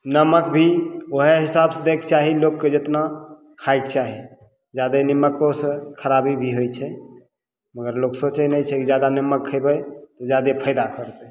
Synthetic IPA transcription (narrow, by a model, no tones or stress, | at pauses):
nəməkbʱioɦeɦisabsed̪ekt͡ʃaɦilokːed͡ʒet̪na | kʰajkt͡ʃaɦi | d͡ʒad̪eniməkːosə̃kʰəɾabibʱiɦojt͡ʃʰɛ | məɡəɾloksət͡ʃɛnəjt͡ʃʰɛkid͡ʒjad̪anəməkʰːəjbəjt̪ɔd͡ʒjad̪epʰəjd̪akəɾt̪ɛ